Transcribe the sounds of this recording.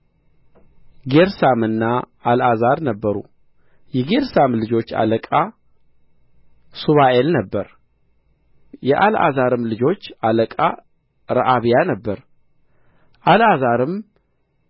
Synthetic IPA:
ɡeɾsamɨnːa | alazaɾnəbːəɾṵ | jɛɡe̞ɾsamlɨd͡ʒo̞t͡ʃːa̰ləkʼa | suβaʔelnəbːəɾ | jɛʔalʔa̰zaɾɨmlɨd͡ʒo̞t͡ʃːaləkʼa | ɾa̰ʔaβijanəbːəɾ | ʔalazaɾɨm

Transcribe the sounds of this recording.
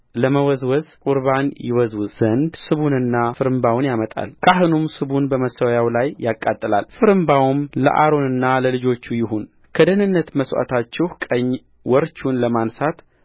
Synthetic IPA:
ləməwɔzwɔzkʼuɾbanjɪ̰wɔzwuz̥ənd̪sɨβunɨnːafɨɾɨmbawnjamət̪ʼa̰lkʼaɦɨnumsɨβunbəməsəwjawlajːakʼːat̪ʼːɨla̰lfɨɾɨmbawmlə̰ʔa̰ɾo̞nɨnːaləlɨd͡ʒo̞t͡ʃːujɪɦun | kʰəd̪ənɨnːət̪məswa̰t̪ʰat͡ʃːɛhkʼəɲː | wɔɾt͡ʃunləmansat̪

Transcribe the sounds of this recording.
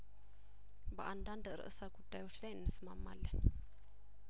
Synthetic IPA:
ba̰ʔandandəɾə̰ʔəsaɡud̥ajot͡ʃʰilanːəsmamːa̰lːɛn

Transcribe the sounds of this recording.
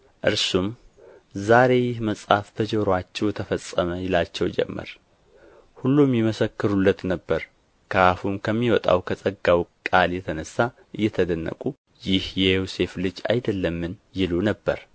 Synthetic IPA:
ʔɨɾsum | zaɾe̞jɪhməsʼhafbəd͡ʒɛɾoat͡ʃːɛwt̪ʰəfəsʼːəməjɪlat͡ʃːɛwd͡ʒɛ̰mːə̰ɾ | hulːumjɛməsəkːɨɾulːət̪nəbːəɾ | kʰəafumkʰəmːiwɔt̪ʼa̰wkʰəsʼəɡːawkʼaljɛt̪ʰənəsːa | ʔɨjːɛt̪ʰəd̪ənːə̰kʼu | jɪhjɛjose̞flɨd͡ʒa̰jd̪əlːəmːɨnjɪlunəbːə̰ɾ

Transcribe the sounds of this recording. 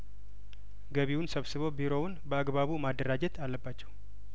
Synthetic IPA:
ɡəβiwʊnsəβsɨβo̞biɾo̞wʊnbəaɡbaβumad̪ːəɾad͡ʒɛt̪ʰalːəbːat͡ʃːɛw

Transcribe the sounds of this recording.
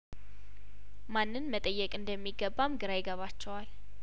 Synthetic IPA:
manːɨnmət̪ʼəjːɛkʼɨnd̪əmːiɡːəbːamɡɨɾajɪɡəβat͡ʃːɛwal

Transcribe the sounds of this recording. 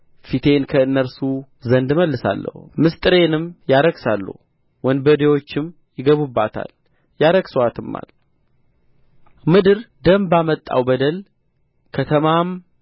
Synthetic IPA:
fit̪ʰe̞nkʰəɨnːəɾsu | zənd̪məlːɨsa̰lːə̰humɨst̪ʼɨɾe̞nɨmjaɾəɡsalːṵh | wɔnd̪bəd̪ewo̞t͡ʃːɪm | jɪɡəβubːat̪ʰa̰l | jaɾəɡsəwat̪ʰɨmːa̰l | mɨd̪ɨɾd̪əmbamət̪ʼːa̰wbəd̪əl | kʰət̪ʰəmam

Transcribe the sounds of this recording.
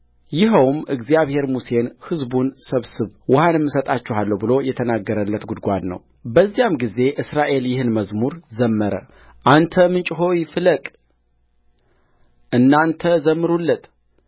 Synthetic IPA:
jɪɦəwmʔɨɡzijaβhe̞ɾmuse̞nhɨzbunsəβsɨβwʊhanɨmːɨsət̪ʼat͡ʃːɛɦalːəwbɨlo̞jɛt̪ʰənaɡːəɾəlːət̪ɡud̪ɡʷad̪nə̰w | bəzːijamɡize̞ʔɨsɾaʔe̞ljɪhɨnməzmuɾzəmːəɾə̰ | ʔant̪ʰəmɨnt͡ʃʼɦo̞wjfɨləkʼ | ʔɨnːant̪ʰəzəmːɨɾulːət̪

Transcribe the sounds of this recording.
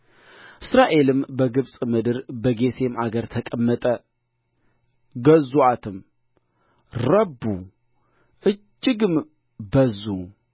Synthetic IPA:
ʔɨsɾaʔe̞lɨmbəɡɨβsʼmɨd̪ɨɾbəɡe̞t̪ʰe̞mʔaɡəɾt̪ʰəkʼəmːət̪ʼə | ɡəzuat̪ʰɨm | ɾəbːu | ʔɨd͡ʒːɪɡɨm | bəzːu

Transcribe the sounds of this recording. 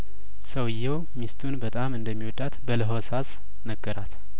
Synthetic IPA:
səwɨjːɛw | mist̪ʰunbət̪ʼamɨnd̪əmːiwɔd̪at̪bələɦosas | nəɡːəɾat̪

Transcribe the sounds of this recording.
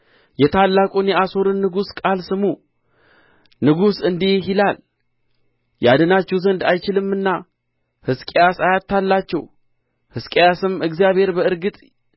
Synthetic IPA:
jɛt̪ʰalːakʼunjɛaso̞ɾɨnːɨɡuskʼalsɨmu | nɨɡusɨnd̪ejɪlal | jad̪ənat͡ʃːɛwzənd̪ajt͡ʃɪlɨmːɨnːa | hɨskʼejasajat̪ʰːalːat͡ʃːɛw | hɨskʼejasɨmɨɡzijaβhe̞ɾbəɨɾɡɨt̪ʼ

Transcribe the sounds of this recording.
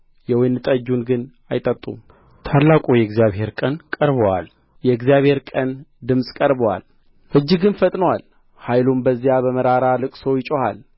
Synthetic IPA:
jɛwɔjnːɨt̪ʼəd͡ʒunɡɨn | ajt̪ʼət̪ʼːṵm | t̪ʰalːakʼujɛɡzijaβhe̞ɾkʼənkʼəɾβəwa̰l | jɛɪɡzjaβhe̞ɾkʼənd̪ɨmsʼkʼəɾbəwa̰l | ʔɨd͡ʒːɪɡɨnfət̪ʼnəwal | hajlumbəzːijabəməɾaɾalɨkʼsəwjɪt͡ʃʼoha̰l

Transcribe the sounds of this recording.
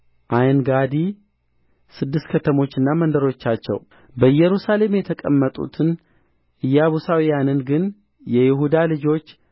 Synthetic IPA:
ʔajnɡad̪i | sɨd̪ːɨst̪kʰət̪ʰəmo̞t͡ʃːɨnːamənd̪əɾo̞t͡ʃːat͡ʃːɛ̰w | bəɨjːɛɾusale̞mjɛt̪ʰəkʼə̰mːət̪ʼṵt̪ʰɨn | ʔɨjːaβusawijanɨnɡɨn | jɛjɪɦud̪alɨd͡ʒo̞t͡ʃː

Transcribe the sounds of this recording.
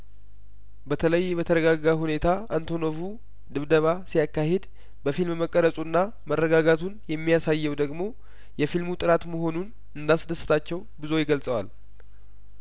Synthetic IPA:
bət̪ʰələjːbət̪ʰəɾəɡaɡːaɦune̞t̪ʰaant̪ʰo̞novu | d̪ɨβd̪əβasijakːahe̞d̪ | bəfilmməkʼːəɾəsʼunːa | mərːəɡaɡat̪ʰunjɛmːijasajːɛwd̪əɡmo̞ | jɛfilmut̪ʼɨɾat̪məɦo̞nun | ɨnd̪asd̪əsːɨ̥t̪ʰat͡ʃːɛwbɨzo̞jɪɡəlsʼəwa̰l

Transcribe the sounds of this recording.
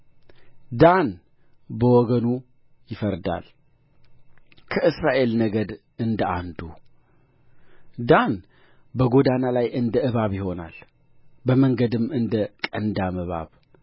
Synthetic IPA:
d̪an | bəwɔɡənu | jɪfəɾd̪a̰l | kʰəɨsɾaʔe̞lnəɡəd̪ | ɨnd̪əand̪u | d̪an | bəɡo̞d̪analajʔɨnd̪əʔɨβaβjɪho̞na̰l | bəməŋɡəd̪ɨmːɨnd̪əkʼənd̪amɨβa̰β

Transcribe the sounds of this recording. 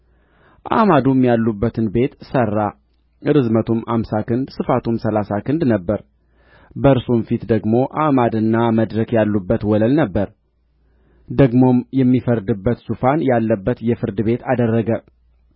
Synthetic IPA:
ʔa̰mad̪umjalːubːət̪ʰɨnbe̞t̪sərːa | ʔɨɾɨzmət̪ʰumhamsakʰɨnd̪sɨfat̪ʰumsəlasakʰɨnd̪nəbːəɾ | bəɨɾsumfit̪d̪əɡmo̞ʔamad̪ɨnːaməd̪ɾəkjalːubːət̪wɔləlnəbːəɾ | d̪əɡmo̞mjɛmːifəɾd̪ɨbːət̪sufanjalːəbːət̪jɛfɨɾd̪ɨbe̞t̪ad̪ərːəɡə

